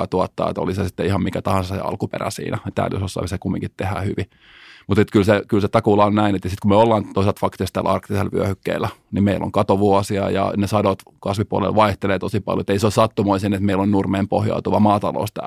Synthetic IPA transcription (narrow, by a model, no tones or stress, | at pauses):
ɑt̪uɑt̪ːɑ̰ːḛt̪o̰lisɑsit̪ːeihɑmmikæt̪ɑhɑ̃nsɑsɑsḛɑ̰lkupḛræ̰sḭːnʔæet̪æ̰ːljo̰sosːɑ̰ʋisekumːḭ̃ŋkit̪t̪ehæ̰hyʋi | mut̪et̪kylsekylset̪ɑkulɑonnæinet̪jɑsit̪kumøolːɑːnt̪oiselt̪fɑkt̪est̪æ̰lɑrkt̪iselʋy̰øhykːḛilːˑænimeilʔo̰ŋkɑt̪oʋuosiɑ̰jɑ̰nesɑdot̪kɑsʋipuɑlḛlʋɑiht̪eleːt̪osipɑ̰ljoet̪ːeisosɑt̪ːumoisinet̪meilonnurmeːmpohjɑ̰ut̪uʋɑmɑːt̪ɑlo̰ust̪æ̰